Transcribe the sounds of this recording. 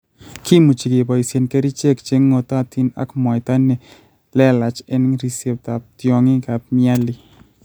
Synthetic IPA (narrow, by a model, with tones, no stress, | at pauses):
ki˦mu˨t͡ʃi˨ɡe˨bɔ˨i˨se˨nke˦ɾi˦t͡ʃe˦kt͡ʃe˦ŋːo˧t̪ɔ˦a˨t̪i˦na̰˨˦kmɔ˨jt̪a˦ne˨ | lɛ˦la˨t͡ʃɛ˦n˦ŋɾi˦se˦p̚t̪a˨p̚t̪jɔ˨ŋɪ˦ka˨p̚mja˦li˨